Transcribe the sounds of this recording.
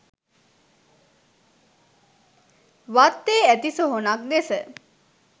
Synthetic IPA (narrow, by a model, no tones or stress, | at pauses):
ʋat̪ːeːæt̪isoɦonak̚d̪esə